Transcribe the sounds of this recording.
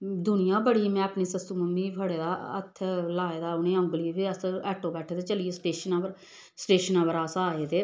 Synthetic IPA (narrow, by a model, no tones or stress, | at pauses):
d̪ʊnɪjãːbəɽiːmɛ̃ːəpɳiːsəsuːməmːiːpʰəɽeːd̪aːə̰t̪ʰːlaːeːd̪aːʊnẽːə̃ŋɡliːbiəsɛːʈoːbɛːʈʰeːt̪eːt͡ʃəliːesʈeːʃənãːʋəɾ | sʈeːʃənãːʋəɾaːsaːeːt̪eː